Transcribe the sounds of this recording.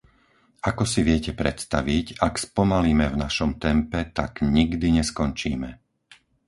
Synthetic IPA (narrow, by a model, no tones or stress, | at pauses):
akɔsiʋɪɛcɛpɾɛt̪st̪aʋicakspɔmaliːmɛvnaʃɔmt̪ɛmpɛt̪aɡɲiɡd̪iɲɛskɔnt͡ʃiːmɛ